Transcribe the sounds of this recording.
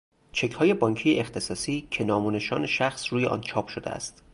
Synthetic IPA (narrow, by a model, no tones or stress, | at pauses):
t͡ʃʰe̞cʰhɒːje̞bɒːɲcʰijeʔext̪ʰe̞sɒːsiːcʰe̞nɒːmuːne̞ʃɒ̰ːne̞ʃæxsruːjeʔɒ̰ːnt͡ʃʰɒːpʰʃod̪ḛæ̰st̪